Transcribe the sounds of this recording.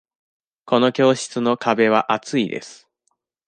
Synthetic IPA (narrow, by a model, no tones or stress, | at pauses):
ko̞no̞kʲo̞ːɕi̥t͡sɨno̞kabe̞β̞aʔat͡sɨid̪e̞̰sɨ̥